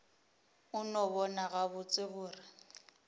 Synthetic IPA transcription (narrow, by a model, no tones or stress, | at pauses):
ʊnɔβɔnaɣaβʊt͡sʼɪbʊːrɪ